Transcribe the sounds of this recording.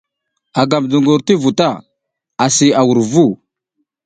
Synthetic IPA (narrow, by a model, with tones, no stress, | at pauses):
a˨ɡa˨mdu˨ŋɡu˨ɾti˦vu˨ta˦˨ | a˨si˨a˨wu˨ɾvu˦˨